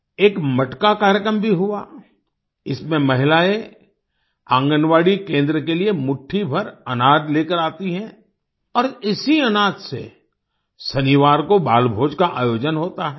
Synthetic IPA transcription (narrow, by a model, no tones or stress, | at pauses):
eːkmɐʈkakaːɾjəkɾəmbʱiɦʊa | ɪsmẽmɐɦɪlaːe | ãːŋɡənʋaːɽikẽːnd̪ɾəkeliemʊʈʰibʱɐɾɐnaːd̪leːkəɾaːt̪iɦɛ̃ː | ɔːɾɪsiɐnaːd̪sḛ | sɐniʋaːɾkobaːlbʱoːd͡ʒkaʔaːjoːd͡ʒənɦoːt̪aɦɛː